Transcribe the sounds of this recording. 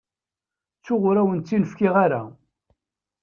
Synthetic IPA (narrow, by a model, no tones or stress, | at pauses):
t͡sːʊʁʊɾæwənːinəfkɪʁaɾa̰